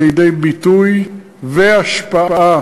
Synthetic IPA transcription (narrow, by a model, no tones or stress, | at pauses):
jedejbituj | vɛaʃpaaa